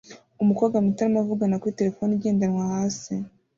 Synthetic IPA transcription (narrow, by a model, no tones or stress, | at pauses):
umukaɡamitaɾamavuɡanakuɾite̞ɾe̞fo̞ːniɟe̞ːndanŋwahaːsi